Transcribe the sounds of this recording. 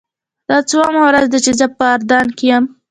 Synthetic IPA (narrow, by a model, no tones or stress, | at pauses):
d̪̥ɑt͡sawɑmawɾazd̪at͡ʃezəpəːɾd̪ɑnkejam